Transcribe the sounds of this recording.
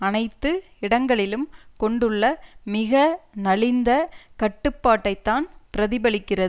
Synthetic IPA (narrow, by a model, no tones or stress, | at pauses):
ɐnɐɪt̪ːɯ | ɪɽɐŋɡɐɭɪlɯmkɔɳɖɯɭːɐmɪɣɐnɐlɪnd̪ɐkɐʈːɯpːaːʈːɐɪt̪ːaːnpɪɾɐðɪbɐɭɪkːɪrɐð